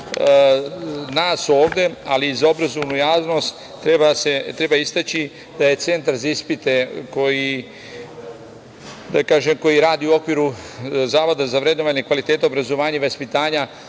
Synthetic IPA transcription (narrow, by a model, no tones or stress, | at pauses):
naːso̞ːʋd̪e̞alizaobɾazoʋnujaːʋno̞st̪ː | ɾebaset̪ɾe̞baist̪at͡ɕi | d̪̥aje̞t̪se̞nt̪aɾzaispit̪e̞ko̞ji | d̪akaːʒemko̞jiɾaːd̪iuo̞kʋiːɾu | zaːʋo̞d̪azaʋɾed̪noʋaɲekʋalit̪eːt̪eo̞bɾazo̞ʋaːɲaiʋaspit̪aːɲa